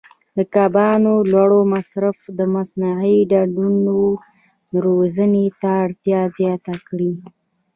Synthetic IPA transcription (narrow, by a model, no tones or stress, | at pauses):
d̪əkabɑnolwaɽomasɾafd̪əmasnaʕəɖaɖuno | ɾozənet̪aːɽt̪jɑzjɑt̪akɽi